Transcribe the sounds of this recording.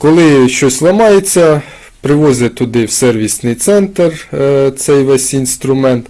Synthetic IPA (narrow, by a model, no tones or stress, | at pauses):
kɔlˠɪʃt͡ʃɔsʲlˠɐmɑjet͡sʲːɐ | pɾɪʋɔzʲɪt̪ʊd̪ɪwsɛrʋʲisnɪjt̪sɛnt̪ert̪sɛjʋɛsʲinst̪ɾʊmɛnt̪